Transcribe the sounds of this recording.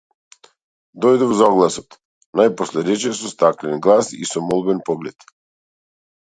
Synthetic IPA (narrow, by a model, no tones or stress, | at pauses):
d̪ɔjd̪ɛvɔzaɔɡlˠasɔt̪ | najpɔslɛɾɛt͡ʃɛsɔst̪aklɛnɡlˠasḭsɔmɔlˠbɛnpɔɡlɛt̪